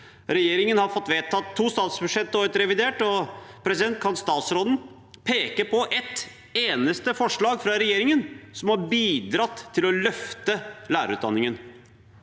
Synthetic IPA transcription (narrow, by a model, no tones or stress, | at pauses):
ɾɛjeːɾɪŋənhɑɾfɔt̪ːʋeːt̪ʰːɑːt̪ʰːuːst̪ɑːt̪sbʉʂɛt̪ːəɾət̪ɾɛʋɪd̪eːʈɔpʰɾɛsɪd̪ɛnt̪̚kʰɑnst̪ɑːt̪sɾoːd̪n̩ | pʰeːkəpɔʔɛt̪ | eːnəst̪əfɔʂɭɑːɡfɾɑɾɛjeːɾɪŋənsɔmhɑɾbiːd̪ɾɑt̪ʰːɪlɔlœft̪əlæːɾə̰ʉ̰ːt̪̚ɑ̰nːɪŋən